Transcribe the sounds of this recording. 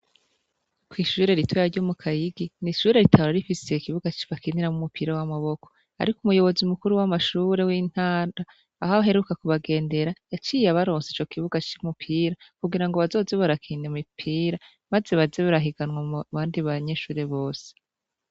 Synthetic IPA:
kwiʃuːɾe̞ɾitwajaɾɟomukʰajiɡiniʃuːɾe̞ɾitʰaɾaɾifise̞ikiβuɡat͡ʃi̥βakʰiniɾamumupiːɾawamaβo̞ko | a̰ɾikumujo̞βo̞zimukuɾuwamaʃuɾe̞wiːn̥haːndaː | haβaɦe̞ɾukakuβaɡe̞ːnde̞ɾajat͡ʃiːjeaβaɾo̞ːnsit͡ʃo̞kʰiβuɡat͡ʃimupʰiːɾakuɡiɾaŋɡoβazo̞ːzeβaɾakʰiːnemipʰiːɾa | maze̞βazeβaɾaɦiɡanwaβaːndiβaɲeʃuːɾe̞βo̞ːse̥

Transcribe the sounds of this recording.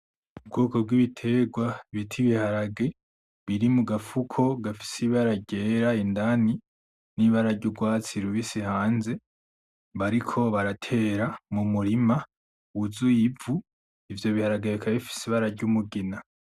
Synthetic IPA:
ub̚ɡoːko̞b̚ɡwiβitʰe̞ɡwaβitʰiβihaɾaɡe̞ | βiɾimuɡafukʰo̞ɡafi̥siβaɾaɟeːɾaindani | niβaɾaɟuɡwaːt͡siɾuβisihaːnze̞ | βaɾikʰo̞βaɾatʰe̞ɾamumuɾima | uzujivu | ivjo̞βihaɾaɡeβikʰaβifi̥siβaɾaɟumuɡina

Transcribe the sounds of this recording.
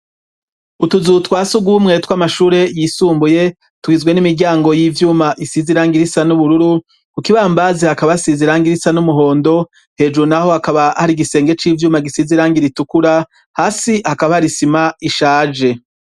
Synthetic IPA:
utuzutwaːsuɡumŋe̞twamaʃuːɾe̞jiːsuːmbuje̞ | twiːzɡwe̞nimiɾɟaːŋɡo̞jivjuːmaʔisiziɾaːŋɡiɾisanuβuɾuɾu | kukiβaːmbazehakaβasiziɾaːŋɡiɾisanumuɦo̞ːndo̞ | he̞ːd͡ʒuɾunaho̞hakaβahaɾiɡise̞ːŋɡe̞t͡ʃiːvjuːmaɡisiziɾaːŋɡiɾitukuɾa | haːsihakaβahaɾisimaiʃaːd͡ʒe̞

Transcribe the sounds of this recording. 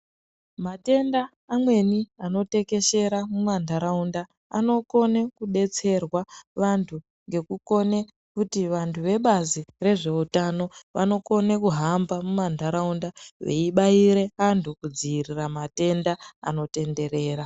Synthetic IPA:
mate̞ndaː | mwe̞niano̞te̞ke̞ʃe̞ɾamumandaɾaunda | a̰no̞ko̞nekuɗe̞t͡se̞rwaʋantʰu | ŋɡe̞kuko̞ne̞ | kutiʋantʰuʋe̞ɓazire̞ʐe̞utano̞ʋa̰no̞ko̞nekuɦambamumandʱaɾaundaʋe̞̰iɓaiɾe̞antʰukud͡ziiriramate̞ndaa̰no̞te̞nde̞ɾe̞ːɾa

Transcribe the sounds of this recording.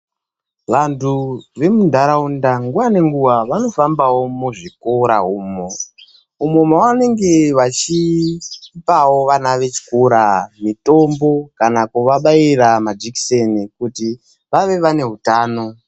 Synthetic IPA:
ʋantʰuʋe̞mundʱaɾaundaŋɡuwane̞ŋɡuʋaʋano̞fambawo̞muʐikoɾaɦuːmo̞ | umomawane̞ŋɡe̞ʋat͡ʃiː | pawo̞ʋanaʋe̞t͡ʃi̥koɾamito̞mbo̞kanakuʋaɓaiɾamad͡ʒiki̥senikuti | ʋaʋe̞ʋane̞ɦutaːno̞

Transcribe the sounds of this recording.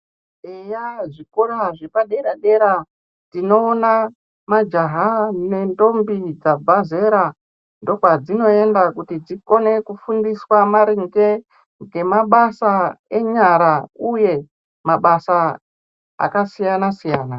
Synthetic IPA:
ejaʐikoraʐepaɗe̞ɾaɗe̞ɾa | tino̞ːna | mad͡ʒaɦane̞ndo̞mbid͡zabʱaze̞ɾa | ndo̞kwad͡zino̞e̞ndakutid͡ziko̞ne̞kufundiswamaɾiŋɡe | ŋɡe̞maɓasae̞ɲaɾauje̞ | maɓasa | a̰kasijanasijaːna

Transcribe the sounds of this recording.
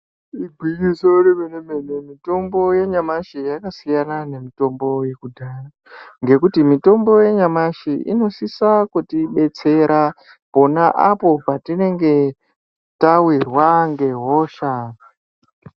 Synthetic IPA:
ibʱwikisoremenemenemito̞mbo̞je̞ɲamaʃijakasijanane̞mito̞mbo̞je̞kudʱaːra | ŋɡe̞kutimito̞mbo̞je̞ɲamaʃiʔḭno̞sisakutiɓe̞t͡se̞ɾa | po̞naʔapo̞patine̞ŋɡe̞ | tawirwaŋɡe̞ɦo̞ːʃa

